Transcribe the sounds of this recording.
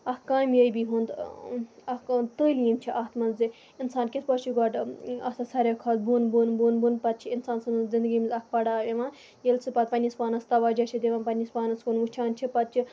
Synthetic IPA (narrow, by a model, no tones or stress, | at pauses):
ɐkaːmjəjbiɦund̪ | ɐhkant̪əlʲimt͡ʃʰiʔaːt̪mɐnzi | insaːnkʲispɔʃiɡɔɖɐt̪asɐɾʲɐkʰɐːl̚buːnbuːnbuːnbunpɐt̪̚t͡ʃʰiinsaːnsɐnzind̪əɡʲiːmʲzʲɐk̚ʰpɐɽaːeʋãːn | jelt͡sʰɨpɐt̪̚pɐnʲispaːnɐst̪ɐʋaːd͡ʒat͡ʃʰid̪eʋãːnpɐnʲispaːnɐskunʋut͡ʃʰaːnt͡ʃʰipɐt̪̚t͡ʃʰi